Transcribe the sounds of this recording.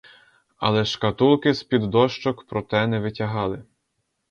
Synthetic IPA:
ɐ̰lˠɛʃkɐt̪ulˠkɪspʲid̪ːɔʃt͡ʃɔkpɾɔt̪ɛnɛʋɪtʲɐɦɑlˠɪ

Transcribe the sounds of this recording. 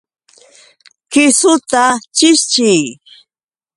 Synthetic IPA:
kɪsʊt̪at͡ʃɪst͡ʃɪj

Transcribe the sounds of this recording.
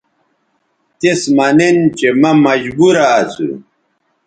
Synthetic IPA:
t̪esmɐnent͡ɕemɐmɐd͡ʑbuɾaːsṵ

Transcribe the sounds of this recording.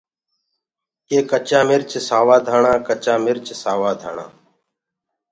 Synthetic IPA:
keːkət͡ʃãːmɪɾt͡ʃsaːʋaːd̪ʱaːɳãːkət͡ʃãːmɪɾt͡ʃsaːʋaːd̪ʱa̰ːɳã̰ː

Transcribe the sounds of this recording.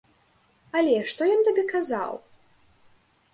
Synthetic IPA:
ɐlʲɛʂt̪ɔjɔnt̪abʲɛkaza̰w

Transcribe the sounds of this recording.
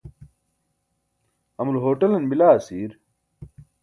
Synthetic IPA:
ɐmulɦoːʈɐlɐnbilaːsiːɾ

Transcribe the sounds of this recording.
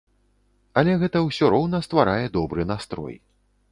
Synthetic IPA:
ɐlʲɛɣɛt̪ɐwsʲɔɾɔwnɐst̪vaɾajɛd̪ɔbɾɨnast̪ɾɔ̰j

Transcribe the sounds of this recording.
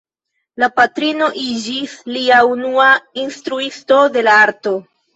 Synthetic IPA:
lapatɾino̞ʔid͡ʒisliaunuainstɾuisto̞de̞laaɾto̞

